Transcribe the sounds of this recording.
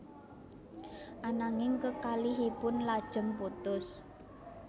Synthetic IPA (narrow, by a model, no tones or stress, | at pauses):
ʔanaŋɪŋkəkaliɦipʊnlad̥ʒ̥ə̤mput̪ʊs